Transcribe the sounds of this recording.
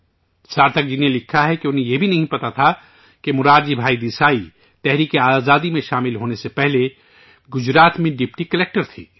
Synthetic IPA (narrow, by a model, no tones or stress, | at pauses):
saːɾt̪ʰək̚d͡ʒinẽlɪkʰaɦɛkeʊnɦẽjebʱinɐɦĩpɐt̪at̪ʰa | kemʊɾaːɾd͡ʒibʱaːid̪isaːi | t̪ɛɦɾiːkeaːzaːd̪imẽʃaːmɪlɦoːnesepɛɦle | ɡʊd͡ʒɾaːt̪mẽɖɪpʈikɐleːk̚ʈəɾt̪ʰḭː